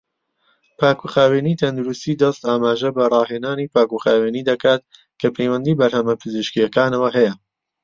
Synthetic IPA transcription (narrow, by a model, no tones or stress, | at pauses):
pʰaːkuxaːweːniːt̪ʰɐnd̪uɾust̪iːd̪ɐst̪aːmaːʒɐbɐrˤɑːɦeːnaːniːpʰaːkuxaːweːniːd̪ɐkaːt̪̚ | kʰɐpʰejwɐnd̪iːbɐɾhɐmɐpʰɨzɨʃkijɐkaːnɐwɐɦɛjɐ